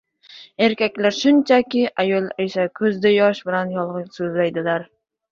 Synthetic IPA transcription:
e̞ɾkʲakʲlaɾʃʊnt͡ʃʰakʲɪʔajɒlˠesakʰɵzd̪ajɒʃbɪlanjɒlˠʁɨsɵzlajd̪ɪlaɾ

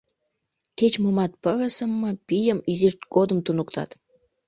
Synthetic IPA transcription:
ket͡ɕmomɑt̪̚pəɣəsəmːə̆pijəmiziʃt̪ɡ̥od̪əmt̪unukt̪ɑ̰t̪

